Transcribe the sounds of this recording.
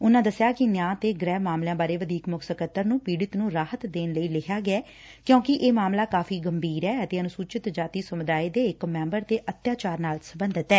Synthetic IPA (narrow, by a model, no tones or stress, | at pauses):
ʊnãːd̪əsjaːkɪnjãːt̪eːɡɾɛːmaːmljãːbaːɾeːʋəd̪iːkmʊksəkət̪ːəɾnũːpiːɽɪt̪nũːɾaːhət̪d̪eːnləiːlɪkʰjaːɡɪɛː | kjõːkɪʔeːmaːmlaːkaːfʰiːɡəmbiːɾɛːət̪eːənʊsuːt͡ʃɪt̪d͡ʒaːt̪iːsəmʊd̪aːeːd̪eːɪkmɛ̃ːmbəɾt̪eːʔət̪jaːt͡ʃaːɾnaːlsəbənd̪ət̪ɛː